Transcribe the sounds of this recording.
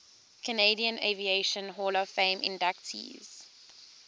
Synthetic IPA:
kʰəneɪdiə̃nevieɪʃə̃nɦɔːləfẽɪmʔɪ̰̃ndak̚tʰḭːz̥

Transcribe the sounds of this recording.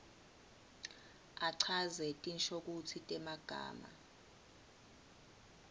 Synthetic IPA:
aǀʰazɛtʼinʃʰʼok̬ut͡sʰitʼɛmaɡ̥ʱa̰ːma̰

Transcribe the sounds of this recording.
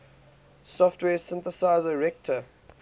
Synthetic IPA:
sɔftwɛːsɪ̃nθəsaɪzəɹɛk̚tʰə

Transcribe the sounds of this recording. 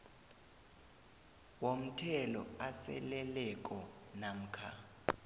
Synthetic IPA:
wom̩tʰɛlɔ̰asɛ̰lɛlɛkʼɔnam̩kʰa

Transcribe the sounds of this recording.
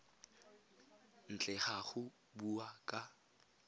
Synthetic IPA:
n̩t͡ɬʼɛχaχʊ | buakʼa

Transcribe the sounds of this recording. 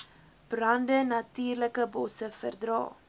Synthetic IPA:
b̥rɐndənɐtyːrləkəbɔsəfərdrɑ̰ː

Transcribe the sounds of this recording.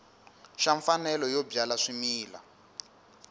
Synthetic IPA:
ʃaɱfanɛlɔjɔbjalaʂimiːla̰

